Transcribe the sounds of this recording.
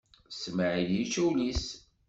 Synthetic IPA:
sməʕiljit͡ʃːæwlis

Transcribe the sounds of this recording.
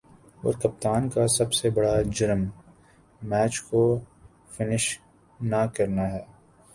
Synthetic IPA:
o̰ːɾkɐp̚t̪aːnkasɐbsebɐɽad͡ʒɪɾəm | mɛːt͡ʃko | fɪnɪʃ | nakɐɾnaɦɛː

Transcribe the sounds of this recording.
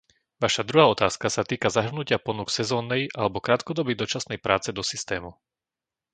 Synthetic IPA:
ʋaʃad̪ɾuɦaːɔt̪aːskasat̪iːkazaɦr̩nucɪapɔnuksɛzɔːnːɛjʔalɛbɔkɾaːt̪kɔd̪ɔbid̪ɔt͡ʃasnɛjpɾaːt͡sɛd̪ɔsist̪ɛːmu

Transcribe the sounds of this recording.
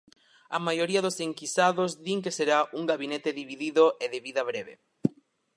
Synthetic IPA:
ɐmajoɾiɐðoseŋkisaðozðiŋkeseɾauŋɡaβinet̪eðiβiðiðoʔeðeβiðɐβɾeβḛ

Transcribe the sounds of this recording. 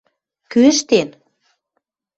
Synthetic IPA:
kyəʃt̪en

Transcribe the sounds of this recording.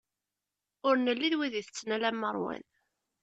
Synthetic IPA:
ʊɾnəlːiðwiðiθət͡sːnælæmːəɾˤwæ̰n

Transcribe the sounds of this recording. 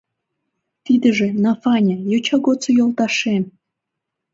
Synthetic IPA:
t̪id̪əʒĕnɑfɑnʲajot͡ɕɑɡot͡sojolˠt̪ɑʃem

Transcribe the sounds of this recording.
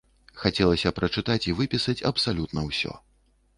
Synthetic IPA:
xat͡sʲɛlˠɐsʲɐpɾɐt͡ʂɨt̪at͡sʲivɨpʲisɐt͡sʲɐ̰psalʲut̪nɐwsʲɔ̰

